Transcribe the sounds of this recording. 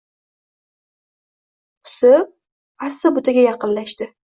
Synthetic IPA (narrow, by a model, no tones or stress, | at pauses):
ʊ̥sɪ | asːabʊt̪ʰaɡʲajɑqɨnlaʃt̪ɪ